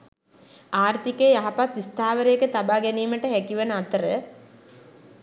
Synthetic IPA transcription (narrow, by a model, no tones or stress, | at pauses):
aːrt̪ikeːjaɦapat̪ist̪aːʋəɾeekət̪abaːɡɛniːməʈəɦækiʋənəat̪əɾə